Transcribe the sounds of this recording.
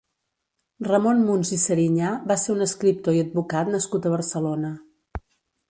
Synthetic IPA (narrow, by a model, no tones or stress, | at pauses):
rəmonmunzisəɾiɲaβaseunəskɾip̚t̪oiəd̪̚bukat̪nəskut̪əβ̞əɾsəlonə